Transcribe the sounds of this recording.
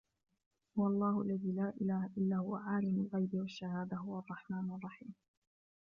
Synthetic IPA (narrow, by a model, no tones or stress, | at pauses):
hʊwɑlˤːɑːhʊalːaðiːlaːʔɪlaːhaʔɪlːaːhʊwa̰ʕaːlamʊlɣajbiːwaʃːahaːd̪aɦʊwaɑrˤːɑħmaːnʔɑrˤːɑħiːm